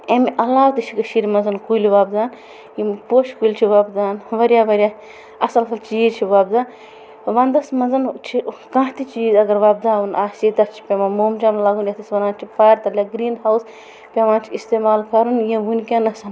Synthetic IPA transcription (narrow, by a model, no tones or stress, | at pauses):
emʔɐlaːwt̪it͡ʃʰikɐʃiɾʲmɐnzɐnkuliʋaːbd̪aːn | jĩmpoːʃkulʲt͡ʃʰiʋaːbd̪aːnʋɐɾʲjaːʋɐɾʲjaː | ɐsɐlsɐlt͡ʃiːzt͡ʃʰiʋaːb̚d̪aːn | ʋɐnd̪ɐsmɐnzɐnt͡ʃʰikãːɦt̪it͡ʃiːzɐɡɐɾʋaːb̚d̪aːunʔaːsit̪ɐst͡ʃʰi̥pʲemamoːmd͡ʒamlaːɡunjɐt̪ɐsʋɐnaːnt͡ʃʰipaːɾʲt̪ɐlʲaːɡɾiːnhaːws | pʲeʋaːnt͡ʃʰiist̪eːmaːlkɐɾunjĩʋunʲkʲãnɐsɐn